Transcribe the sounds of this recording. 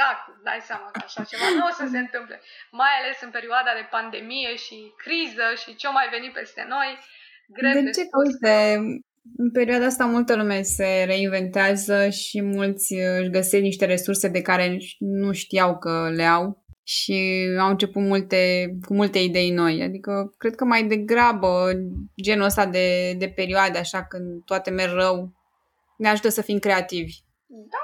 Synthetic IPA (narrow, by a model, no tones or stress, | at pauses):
ak̚t̪d̪a̰jseamakəaʃat͡ʃevanuosəse̞ɨnt̪ɨmplḛmajale̞sɨnpe̞ɾioad̪ad̪e̞pand̪e̞mije̞ʃikɾizəʃit͡ʃemajve̞nipe̞̰st̪e̞̰no̞j | ɡɾded̪et͡ʃekot̪e | ɨnpe̞ɾiuad̪aas̬t̪amult̪əlume̞se̞ɾe̞inve̞nt̪eazəʃimult̪sʲɨʃɡəsesniʃt̪e̞ɾe̞surse̞d̪e̞kaɾe̞nuʃt̪ijawkəleawʃiawɨnt͡ʃe̞put̪mult̪e̞kumult̪e̞id̪e̞jno̞ja̰d̪ikəkɾe̞d̪̚kəmajd̪e̞ɡɾabəd͡ʒe̞nuəst̪ad̪e̞d̪e̞pe̞ɾioad̪eaʃakɨnd̪t̪oat̪e̞merʲːəw | neaʒut̪əsəfimkɾe̞at̪ivʲ | d̪a